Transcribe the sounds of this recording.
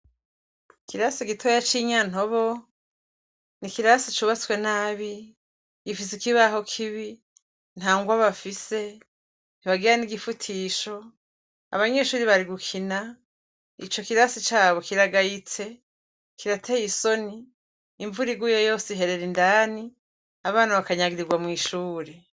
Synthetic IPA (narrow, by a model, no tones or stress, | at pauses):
kiɾasiɡitʰojat͡ʃiɲan̥o̞βo̞ | nikiɾasit͡ʃuβat͡swe̞naːβi | ɡifisikiβaɦo̞kʰiβi | n̥haːŋɡwaβafise̞ | n̥iβaɡiɾaniɡifutʰiːʃo̞ | a̰βaɲe̞ʃuːɾiβaɾiɡukʰina | ḭt͡ʃo̞kiɾasit͡ʃaːβo̞kiɾaɡajit͡se̞ | kiɾatʰejiso̞niː | ɱvuɾiɡujojo̞ːsiiɦe̞ɾe̞ɾindaːni | aβaːnaβakaɲaɡiɾiɡwamŋiːʃuːɾe